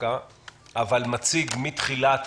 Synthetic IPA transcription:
a | ʔavalmat͡siɡmit̪χilat̪

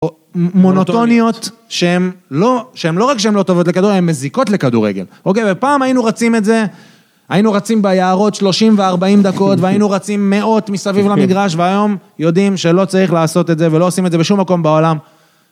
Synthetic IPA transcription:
mo̞not̪onio̞t̪ʃeemloʃeemlo̞ʁakʃeemlo̞t̪ovotlekad̪uʁemːeziko̞tle̞kadṵʁḛɡe̞̰lʔo̞kejvepaːmajinuʁat͡sime̞tze̞ | ajinuʁat͡simbejaːʁo̞tʃlo̞ʃimve̞aʁbaimd̪ako̞t̪veajinuʁat͡simːe̞o̞t̪misavivlamiɡʁaʃ̬veajo̞mjo̞d̪imʃe̞lo̞t͡saʁiχlaːso̞t̪e̞tze̞velo̞osimetzebeʃumːako̞mbao̞lam

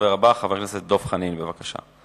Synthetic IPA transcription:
veʁabaχaveʁnaset̪̚d̪o̞fχaninbevakaʃa̰

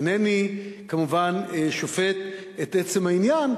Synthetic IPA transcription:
nenikamuvaneʃofet̪ | et̪ʔet͡se̞mainjan

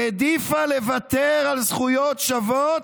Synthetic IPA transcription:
ed̪ifalevat̪eʁalzχujot̪ʃavot̪

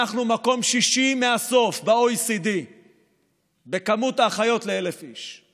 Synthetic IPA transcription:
aχnumako̞mʃiʃimeaso̞fbaojsid̪i | be̞kamut̪aχajo̞tleelefiʃ

